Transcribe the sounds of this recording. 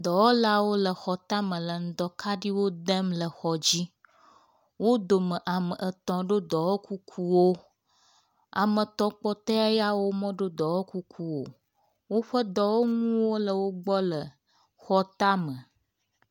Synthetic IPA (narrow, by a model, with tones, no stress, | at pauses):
d̪ɔ˨wɔ˦la˨wo˦lə˨xɔ˨t̪a˦mə̃˨lə˨ŋ̩˦d̪ɔ˦kʰa˦ɖi˦wo˦d̪ə˦mlə˨xɔ˨d͡ʑi˦ | wo˦d̪o˨mə̃˨ʔa˨mə̃˨ʔə˨t̪ɔ̃˨ɖo˦d̪ɔ˨wo˦kʰu˦kʰu˦wo˦ | a̰˨mə̃˨t̪ɔ̃˨k͡pɔ˦t̪ɛ˦a˦ja˦wo˦mɔ̃˦ɖo˦d̪ɔ˨wo˦ku˦kʰu˦wo̰˨ | wo˦ɸə˦d̪ɔ˨wo˦ŋũ˦wo˦lə˨wo˦ɡ͡bɔ˦lə˨ | xɔ˦t̪a˦mə̃˨